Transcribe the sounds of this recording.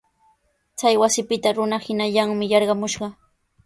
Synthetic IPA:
t͡sajwasɪpɪt̪aɾʊnahɪnaʎaŋmɪjɑɾɢɑmʊʃɢɑ

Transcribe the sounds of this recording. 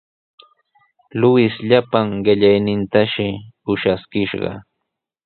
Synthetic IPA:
lʊɪsʎapaŋɢɪʎajnɪnt̪aʃɪʊʃaskɪʃɢɑ̰

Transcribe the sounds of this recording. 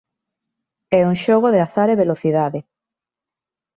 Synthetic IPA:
ɛuŋʃoɣ̞oðeaθaɾeβeloθiðaðe

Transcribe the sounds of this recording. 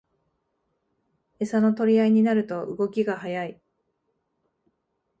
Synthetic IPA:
e̞sano̞t̪o̞ɾʲiaiɲ̟inaɾɯ̟t̪o̞ʔɯ̰ɡo̞kʲiɡahajai

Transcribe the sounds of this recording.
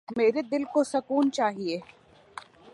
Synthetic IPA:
meːɾed̪ɪlkosɐkuːnt͡ʃaːɦieː

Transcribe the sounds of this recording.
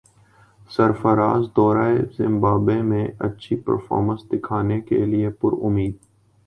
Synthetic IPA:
sɐɾfəɾaːzd̪ɔːɾaːezɪ̃mbaːbemẽɐ̰tːʃʰipə̰ɾfɔ̰ːɾmə̃nsd̪ɪkʰaːnekḛliepʊɾʊ̰miːd̪̚

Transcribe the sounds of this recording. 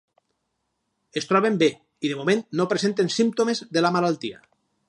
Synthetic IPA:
est̪ɾɔβembe | iðemomẽnnːopɾezent̪ensimpt̪omezðelamalalˠt̪ia̰

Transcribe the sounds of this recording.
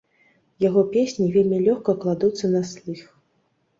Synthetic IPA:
jaɣɔpʲesʲnʲivʲelʲmʲilʲɔxkɐklˠad̪ut̪sːɐnasʲlʲˠix

